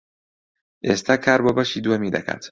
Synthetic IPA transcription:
est̪ʰækʰːæɾbɔbaʃid̪uemid̪æ̰kʰæ̰t̪ʰ

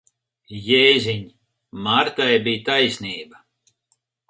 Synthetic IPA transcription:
jɛjzʲiɲ | maɾt̪ajbijt̪ajsʲniːba

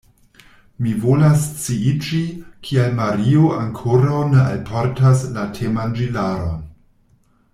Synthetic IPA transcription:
mivo̞last͡siit͡ʃikʰialmaɾioʔaŋkʰoɾawnea̰lpʰoɾtaslatʰemand͡ʒilaɾo̰n

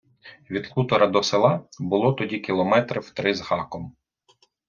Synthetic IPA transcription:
ʋʲid̪kut̪ɔɾɐd̪ɔselˠɑbʊlˠɔt̪ɔdʲikʲilˠɔmɛt̪ɾɪwt̪ɾɪzhɑkɔm

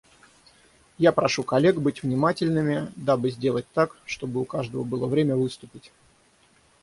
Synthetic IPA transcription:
japɾɐʂukɐlʲe̞ɡbɨtʲvnʲɪmatʲɪlʲnɨmʲɪd̪abɨzʲdʲe̞lˠət̚ʲt̪akʂt̪o̞bɨʊkaʐd̪əvəbɨlˠəvɾʲemʲəvɨst̪ʊpʲɪtʲ

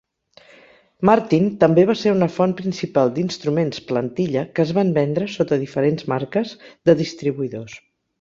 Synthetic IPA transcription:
maɾt̪int̪əmbeβ̞aseɾunəfɔnpɾinsipalˠd̪inst̪ɾumensplənt̪iʎəkəːzβambɛnd̪ɾəsot̪əðifəɾenzmaɾkəzðəðist̪ɾiβuiðos

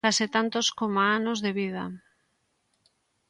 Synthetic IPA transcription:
asɪt̪ant̪oskomaanozðeβið̞a

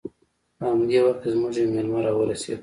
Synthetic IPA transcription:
pəhamd̪ewaxt̪̚kzmʊʒemelmaɾɑwəɾasḛd̪

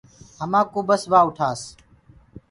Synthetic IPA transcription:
ɦəmãːkoːbəsʋaːʊʈʰaːs

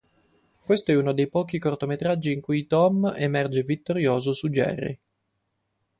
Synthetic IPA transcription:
kwest̪oɛunod̪ejpɔːkikort̪omet̪ɾad͡ʒːiːŋkujt̪ɔmemɛrd͡ʒevit̪ːoɾjoːzosud͡ʒɛ̰rːḭ

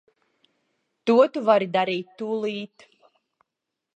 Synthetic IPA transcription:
t̪uɔt̪uvaɾid̪aɾiːt̪ːulˠiːt̪

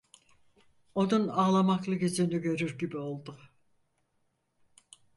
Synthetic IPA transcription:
o̞nunaːlˠamaklˠɯɡizinyɟø̞ɾyɾɟibio̞lˠd̪u

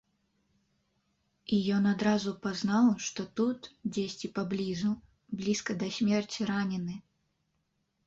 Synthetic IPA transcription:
ijɔnad̪ɾazupaznawʂt̪ɔt̪ut̪d͡zʲesʲt͡sʲipablʲizu | blʲiskɐd̪ɐsʲmʲɛrt͡sʲiɾanʲɛnɨ

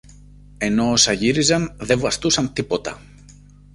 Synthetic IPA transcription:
e̞no̞ːsɐʝiɾizɐnðevuɐst̪usɐnt̪ipo̞t̪ɐ̰

